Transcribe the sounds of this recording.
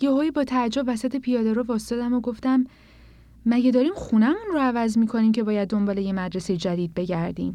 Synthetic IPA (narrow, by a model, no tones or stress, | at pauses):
jeɦoːjibɒːt̪ʰæd͡ʒːobvæsæt̪ʰe̞pʰijɒːd̪eɾɒːvɒst̪ɒd̪æmoɡo̞ft̪æmː | æɟæd̪ɒːɾiːmχunæmunroævæzmiːkʰo̞niːmcʰe̞bɒːjæd̪ːo̞mbɒːle̞jemæd̪ɾese̞jed͡ʒæd̪iːd̪̚be̞ɟæɾd̪ḭːm